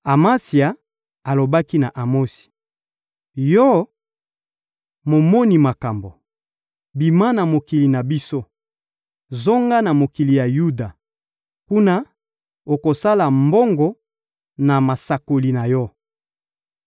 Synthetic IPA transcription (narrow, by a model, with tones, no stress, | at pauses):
a˨ma˦si˨a˨ | a˨lo˨ba˦ki˦na˨ʔa˨mo˦si̥˨ | jɔ˦ | mo˨mɔ˦ni˨ma˨ka˨mbo˨ | bi˨ma˦na˨mo˨ki˨li˨na˨bi˦so˦ | zo˦ŋɡa˦na˨mo˨ki˨li˨ja˨ju˦da˨ | ku˦na˦ | o˨ko˨sa˦la˨mbo˦ŋɡɔ˦ | na˨ma˨sa˨ko˨li˨na˨jɔ˦